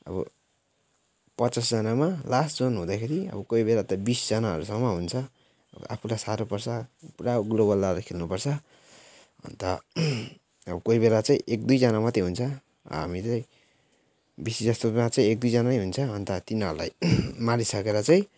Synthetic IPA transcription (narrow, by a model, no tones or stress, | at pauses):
ʌ̰bʌ̰ | pʌt͡sʌsd͡zʌnamalasd͡zonɦũd̪akʰeɾiʌ̰bʌkoibelat̪ʌbisd͡zʌnaɦʌ̰ɾusʌŋːʌɦunt͡sʰʌ̰ | a̰pʰulajsaɾopʌrsapuɾaɡloβʌlːaɾakʰelnupʌrt͡sʰʌ | ɦʌ̰nt̪ʌ | ʌbʌkoibelat͡saĩʔek̚d̪ujd͡zʌnamʌt̪eɦunt͡sʰʌ̰ | ɦa̰mit͡saĩ | bisid͡zʌst̪oat͡saĩek̚d̪ujd͡zʌnanejɦunt͡sʰʌɦʌnt̪ʌt̪inɦʌɾula̰jmaɾisʌkeɾʌt͡saĩ